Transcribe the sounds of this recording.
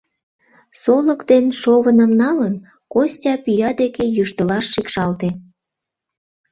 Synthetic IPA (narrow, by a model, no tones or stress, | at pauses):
soləkt̪enʃoβənə̆mnɑlən | kosʲtʲɑpyjɑd̪ekejuʃt̪əlɑʃːikʃɑlt̪e